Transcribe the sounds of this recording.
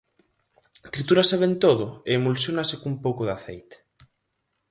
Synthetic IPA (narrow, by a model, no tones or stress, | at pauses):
t̪ɾit̪uɾaseβent̪oðoeːmulsjonasekumpowkoðaθḛjt̪e̥